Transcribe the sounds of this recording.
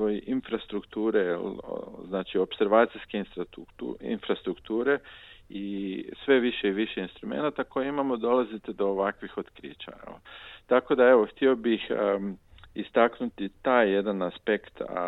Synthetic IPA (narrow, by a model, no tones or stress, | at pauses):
ojiʔinfɾast̪ɾukt̪uːɾelznaːt͡ʃio̞pseɾʋaːt̪siskeinsuḭnfɾast̪ɾukt̪uːɾe̞isʋe̞ʋiʃe̞iʋiʃe̞inst̪ɾume̞̰nat̪ako̞jeimamo̞d̪o̞lazit̪ed̪o̞ːʋakʋixo̞t̪kɾḭːt͡ʃa̰ḛlt̪ako̞d̪ae̞ʋo̞xt̪io̞bix | ist̪aknut̪it̪aːjːe̞d̪anaspe̞kt̪